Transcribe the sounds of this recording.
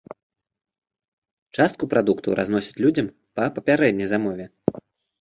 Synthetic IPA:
t͡ʂast̪kupɾad̪ukt̪ɐwɾa̰znɔsʲi̥t͡sʲlʲud͡zʲɐm | pɐpɐpʲaɾɛd̪ʲnʲɐjzamɔvʲɛ

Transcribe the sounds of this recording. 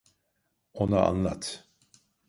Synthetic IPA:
onaa̰nlˠa̰t̪

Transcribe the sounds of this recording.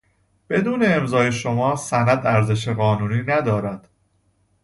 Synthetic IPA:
b̥e̞d̪uːne̞ːmzɒːje̞ʃo̞mɒːsænæd̪æɾze̞ʃ̬eɣɒːnuːniːnæd̪ɒːɾæd̪̥

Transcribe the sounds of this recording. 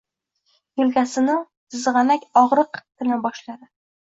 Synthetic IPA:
jʊlkʲasɪnɪ | ɨzʁɑnakʲɒʁɾɨqt̪ʰɪnabɒʃlaɾɪ

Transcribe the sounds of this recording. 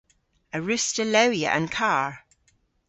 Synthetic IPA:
əɹɪstələʊjə̰ʔə̰̃nkʰɑːɹ

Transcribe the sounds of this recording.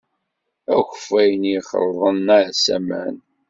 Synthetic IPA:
æçəfæjənjiχə̰ɾˤðˤənːasæ̰mæ̰n

